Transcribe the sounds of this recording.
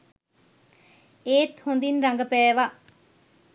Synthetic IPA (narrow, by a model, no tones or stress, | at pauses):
eːt̪hund̪inɾɐŋɡɐpæːʋa